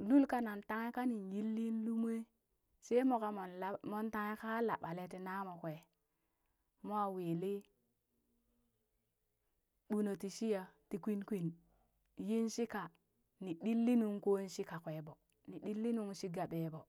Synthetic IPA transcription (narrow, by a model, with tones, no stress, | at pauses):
lu˦lka˦na˨nta˦ŋe˦ka˦ni˨nji˦lːi˦n˦lu˦m˦e˦ | se˦mo˨ka˨mo˨n˦mo˦nta˦ŋe˦ka˦la̰˨ɓa˨le˦ti˨na˦mo˨kʷe˨ | mo˦a˦wi˨li˦ | ɓu˦no˨ti˨ʃi˦ja˨ti˨kʷi˦nkʷi˦n | ji˦nʃi˦ka˨ | ni˨ɗi˦lːi˦nu˦ŋko˦i˦nʃi˦ka˨kʷe˨bo˨ | ni˨ɗi˦lːi˦nu˦ŋʃi˦ɡa˨ɓe˨bo˨